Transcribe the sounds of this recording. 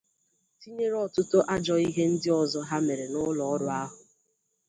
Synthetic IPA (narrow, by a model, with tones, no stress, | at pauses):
ti˦ɲe˦ɾɔ˦tʊ˦to˦ʔa˦d͡ʒɔ˨i˦ɦe˦n̩˦dɪ˦ɔ˨zɔ˦ɦa˦me˨ɾe˨nʊ˦lɔ˨ɔ˦ɾʊ˨a˦ɦʊ˨